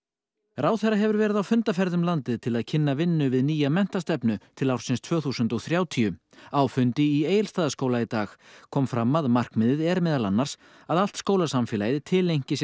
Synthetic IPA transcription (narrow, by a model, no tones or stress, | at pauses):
ɾaːwθɛrːaɦɛvʏɾvɛːɾɪðawfʏnt̪afɛɾðʏmlant̪ɪðt̪ʰɪlaðcʰɪnːavɪnːʏvɪðniːjamɛn̥t̪ast̪ɛpnʏt̪ʰɪlawɾ̥sɪnst̪ʰv̥œːɣθusʏnt̪ɔɣθɾjaːwt̪ʰiʏ | aːwfʏnt̪ɪieːjɪlst̪aːðaskoːwlait̪aːxkʰɔːmfɾamːaðmar̥kmɪðɪðɛɾmɛːðalanːaɾ̥s | aðal̥t̪skoːwlasamfɪːlaːjðɪt̪ʰɪlejɲ̥cɪs